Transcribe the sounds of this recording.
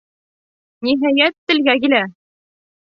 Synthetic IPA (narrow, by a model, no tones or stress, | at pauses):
niɦæjæt̪ːɘ̆lɡæk̬ilæ